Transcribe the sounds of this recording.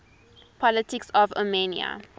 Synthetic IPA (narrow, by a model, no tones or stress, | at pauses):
pʰɔlətɪksɔvo̰meniə̰